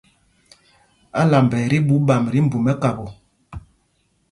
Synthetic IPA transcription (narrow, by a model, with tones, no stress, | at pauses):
a˦la˨m˨bɛ˨ɾi˦bu˨˦ba˨mɾi˦m̩˦bu˨mɛ˦ka˨bo˨